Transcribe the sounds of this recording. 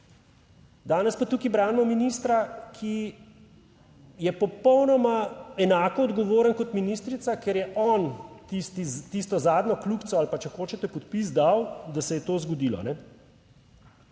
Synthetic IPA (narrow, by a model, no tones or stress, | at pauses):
d̪aːnɛspat̪ukibɾaːnmɔminist̪ɾakʰi | jɛpɔpɔwnɔmaɛnaːkɔːd̪ɡɔʋoːɾənkɔt̪minist̪ɾit̪sakɛɾjɛʔɔːnt̪ist̪it̪ist̪ɔzaːd̪nɔklukt̪sɔalpat͡ʃɛxoːt͡ʃɛt̪ɛpɔt̪pizd̪awd̪asɛjɛt̪oːzɡɔd̪ilɔ̰nɛ